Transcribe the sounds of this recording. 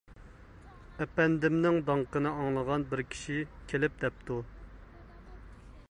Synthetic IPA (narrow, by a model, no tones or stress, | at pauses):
ɛpɛnd̪ɪmnɪŋd̪ɑŋqənɨɑŋlˠəʁɑnbɪɾkʲʰi̥ʃikʲʰelɪp̚d̪ɛp̚t̪u